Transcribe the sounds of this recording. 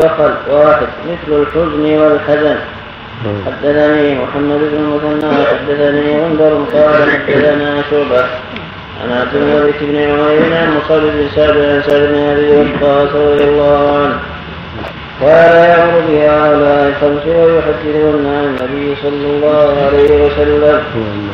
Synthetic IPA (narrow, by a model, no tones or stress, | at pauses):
axalwaːħɪd̪mɪθlalħʊznwalħasan | ħad̪ːaθaniːmʊ̰ħamːad̪ɪbnɪmʊθanːaːħad̪ːaθaniːʕʊnd̪ɑɾˤnqɑːlaħad̪ːaθanaːʃʊʕba | ʔa̰nad̪ɪmmabit̪ɪbnɪlʕʊmajiːnʕanmʊsɑdɪbnsaʕb̪ɪqʕansaʕdɪbnɪʕabiːwɑt̪ːɑːsɾˤɑd̪ijɑlˤːaːhʊʕanh | qɑːllajaʕmʊɾʊbɪhaːʔʊlaːʔɪtɑmsɪajʊħad̪ːɪθhʊnːaanːabɪjːsˤɑlːɑlˤːɑːhʕalajhɪwasalːam